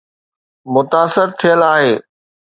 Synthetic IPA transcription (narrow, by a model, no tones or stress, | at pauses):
mʊt̪aːsɪɾt̪ʰijəlaːɦeː